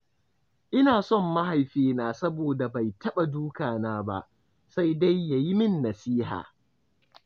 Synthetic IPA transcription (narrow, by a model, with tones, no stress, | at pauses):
ʔɪ˦naː˨sɔ˦˨mːa˦ha˨jɸeː˦naː˦sɐ˦boː˨da˨ba˨jtɐ˦ɓa˨duː˦kaː˨naː˦ba̰˦ʔ | sa˦jda˦jːa˨ji˦mɪ˦nːɐ˨siː˦ha̰ː˨